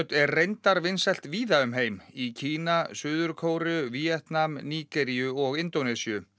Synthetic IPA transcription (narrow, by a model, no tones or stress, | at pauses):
t̪ɛrrejnt̪aɾvɪnsɛl̥t̪viːðaʏmɦejmicʰiːnasʏːðʏɾkʰoːwɾʏviɛt̪namniːkɛɾijʏɔɣɪnt̪onɛsiʏ